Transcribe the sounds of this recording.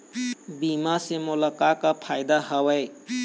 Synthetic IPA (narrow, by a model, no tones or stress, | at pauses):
bimasemulɔkakapʰajd̪ahəwej